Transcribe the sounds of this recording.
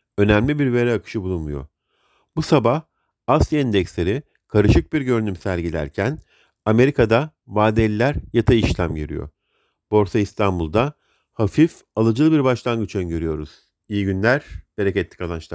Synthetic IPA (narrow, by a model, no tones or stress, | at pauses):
ø̞næmlʲibiɾve̞ɾɛakʰɯ̥ʃɯbulˠunmujo̞̰ | busabah | asˠijaind̪ɛcslʲeɾi | kʰaɾɯʃɯk̚biɾɟø̞ɾynymsæɾʲɟilʲæ̰ɾcʰæn | ame̞ɾikʰad̪a | vaːd̪ɛlʲːæɾjat̪ʰaiʃlʲamɟiɾḭjo̞̰ | b̥o̞ɾsaist̪ʰanbulˠd̪a | hafif | alˠad͡ʒɯlˠɯbiɾbaʃlˠanɡɯt͡ʃʰɯnɟøɾyjo̞ɾuz̥ | ijiɟynlʲæɾ̥b̥e̞ɾecɛt̪ʰːi̥kalˠant͡ʃlˠaɾ